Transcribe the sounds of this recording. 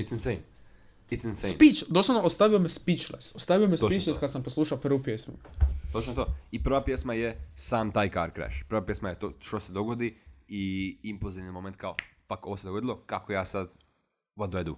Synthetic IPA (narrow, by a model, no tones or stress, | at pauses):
it̪snsejm | it̪snsesmpit͡ʃd̪osˠaʋnoost̪aʋiomespit͡ʃlesost̪aʋijomespit͡ʃleskad̪samposlˠuːʃaopr̩ʋopjesmṵt̪ot͡ʃnot̪oipɾ̩ʋapjesmajesaːmt̪aːjkaɾkɾḛʃpɾ̩ʋapjesmajet̪oʃt̪osed̪oɡod̪iiimpulˠziʋnimoment̪̚kaofakoʋosed̪oɡo̞d̪ilˠokakojaːsad̪ | ʋad̪oed̪u